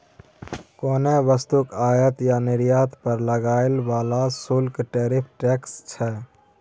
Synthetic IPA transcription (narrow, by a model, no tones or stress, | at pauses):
koːneʋəst̪ʊkaːjət̪janɪɾjaːt̪pəɾləɡaːɪlʋaːlasʊlkʈeːɾɪpʰʈɛːkst͡ʃʰɛː